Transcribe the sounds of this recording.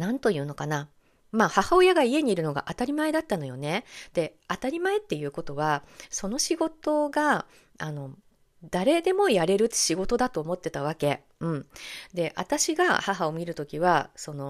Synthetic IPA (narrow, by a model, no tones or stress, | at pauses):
nãnt̪o̞jɯ̟ːno̞kana | maːhahao̞jaɡaie̞ɲ̟iːɾɯ̟no̞ɡa̰ʔat̪aɾʲimae̞d̪at̪ːano̞jo̞ne̞d̪̥e̞ | at̪aɾʲimae̞t̪ːe̞jɯ̟ːko̞t̪o̞β̞aso̞no̞ɕiɡo̞t̪o̞ɡa | ano̞ | d̪̥aɾe̞d̪e̞mo̞jaɾe̞ɾɯ̟ɕiɡo̞t̪o̞d̪at̪o̞ːmo̞t̪ːe̞t̪aβ̞ake̞ | ɯ̟̃ɴd̪e̞ʔa̰t̪aɕiɡa̰haɦao̞mʲiɾɯ̟t̪o̞kʲiβaso̞no̞